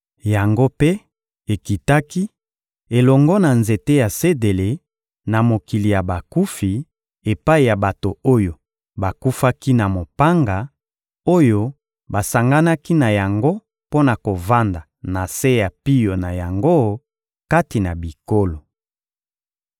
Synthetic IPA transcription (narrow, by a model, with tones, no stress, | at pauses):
ja˨ŋɡo˦pe˦ | e˨ki˨ta˦ki˦ | e˨lɔ˨ŋɡɔ˦na˨nze˨te˦ja˨se˦de˨le˨ | na˨mo˨ki˨li˨ja˨ba˨ku˦fi˨ | e˨pa˦i˨ja˨ba˨to˨o˦jo˨ | ba˨ku˦fa˦ki˦na˨mo˨pa˦ŋɡa˨ | o˦jo˦ | ba˨sa˨ŋɡa˦na˦ki˦na˨ja˨ŋɡo˦ | po˦na˨ko˨va˦nda˨ | na˨se˦ja˨pi˦jo˨na˨ja˨ŋɡo˦ | ka˦ti˨na˨bi˨ko˦lo˨